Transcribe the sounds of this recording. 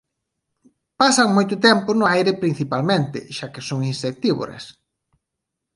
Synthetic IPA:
pasaŋmojt̪ʊt̪ɛmpʊnʊajɾɪpɾin̟θipalmẽnt̪ɪ̰ʃakesoŋinsek̚t̪iβo̰ɾḛs

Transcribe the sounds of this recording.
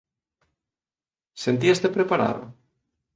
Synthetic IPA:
sent̪iest̪epɾepaɾa̰ðʊ̰

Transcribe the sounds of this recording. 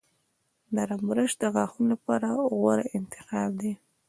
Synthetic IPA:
d̪aɾamuɾaʃd̪əɣɑxunlapɑɾaɣwaɾaʔɪnt̪ɪ̥xɑbd̪i

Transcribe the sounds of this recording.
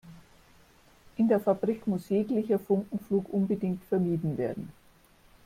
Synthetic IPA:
ʔɪndeːɐfabʁikmʊsjeːklɪçɐfʊŋkŋ̩fluːkʔʊnbədɪŋktfɛɐmiːdn̩vḛːɐdn̩

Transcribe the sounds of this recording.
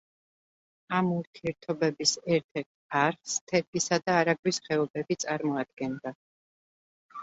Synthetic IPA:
amuɾt̪ʰiɛɾt̪ʰɔbɛbisɛɾt̪ʰɛɾt̪ʰaɾst̪ʰɛɾɡisad̪aːɾaɡwisχɛɔbɛbit̪sʼaɾmɔad̪̚ɡɛnd̪a

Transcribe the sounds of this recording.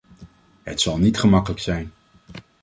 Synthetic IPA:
ɦətsɑlˠnitχəmɑkələksɛjn

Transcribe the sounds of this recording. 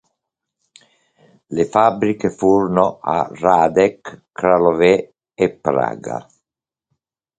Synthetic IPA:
lefabːɾikefuɾnoʔa̰raːd̪ɛkː | ɾalovɛ | epːɾa̰ːɡa̰

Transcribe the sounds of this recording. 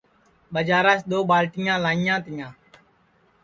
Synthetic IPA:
ɓəd͡ʒaːɾaːsɗ̪oːɓaːlʈɪjãːlãːɪjãːt̪ɪjãː

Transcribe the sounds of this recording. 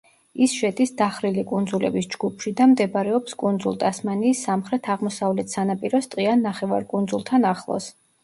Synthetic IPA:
isʃɛd̪isd̪aχɾilikʼund̪zulɛ̰bisd͡ʒɡupʰʃid̪amd̪ɛbɾɛɔpskʼund̪zulˠt̪ʼasmaniːsːamχɾɛt̪ʰaʁmɔsavlɛt̪ʰsanapʼiɾɔst̪ʼqʼianːaχɛva̰ɾkʼund̪zulˠt̪ʰanaχlˠɔ̰s

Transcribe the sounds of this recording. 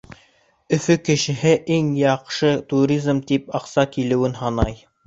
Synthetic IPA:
ɵ̆fɵkɘ̆ʃɘ̆ɦɘʔiŋjɑqʃɤt̪uɾʲizmt̪ipɑqsɑkilɘ̆wɘnɦɑnɑj

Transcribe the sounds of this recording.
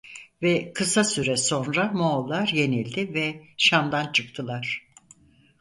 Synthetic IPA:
vɛkʰɯsasyɾɛso̞nɾamoːlˠːaɾje̞nilʲd̪ɪvɛʃamd̪ant͡ʃʰɯkt̪ʰɯlˠaɾ̥

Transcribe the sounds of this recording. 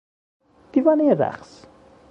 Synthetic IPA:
d̪̥ivaneəɾa̰χs

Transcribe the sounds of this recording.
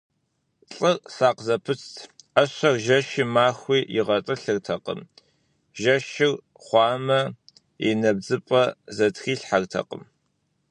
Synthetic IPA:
ɬʼɨrsaːqzɐpʰɨt͡sʰtʰɐɕɐrʒɐʃimaːxʷiːɪʁɐtʼɨɬɨrtʰɐqə̰m | ʒɐʃɪr | χʷɑːmɐ | ḭnɐb̚d͡zɨpʼɐzɐtxiːɬħartʰɐ̰qə̰m

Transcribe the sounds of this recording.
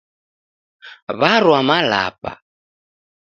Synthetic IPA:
βaɾwamala̰pa̰

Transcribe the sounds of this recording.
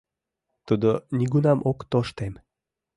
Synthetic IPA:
t̪ud̪onʲiɡunɑmʔokt̪oʃt̪em

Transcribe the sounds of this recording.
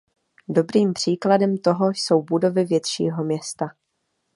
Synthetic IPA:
do̞bɾiːmpr̝̥iːkladɛmt̪o̞ɦo̞so̞wbudo̞vɪvjɛt̪ʃḭːɦo̞mɲɛst̪a

